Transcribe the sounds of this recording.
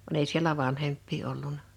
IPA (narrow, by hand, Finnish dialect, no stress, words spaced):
ʋɑn ei sielæ ʋɑnhempːiː olːunɑ